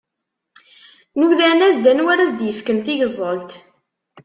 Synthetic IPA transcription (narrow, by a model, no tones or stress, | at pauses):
nuðænæzd̪ænwæɾæzd̪jəfkəmθiʝəzˤːəlt̪